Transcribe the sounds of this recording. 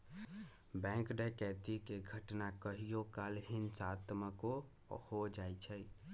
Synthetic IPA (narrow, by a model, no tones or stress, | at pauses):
bɛ̃kɖəkɛt̪ikeɡʱəʈnakəɦijokalɦinsat̪məko | hod͡ʒajt͡ʃʰə